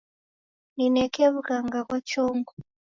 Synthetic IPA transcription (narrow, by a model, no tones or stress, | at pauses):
ninɛkɛβukaŋɡakwat͡ʃɔŋɡu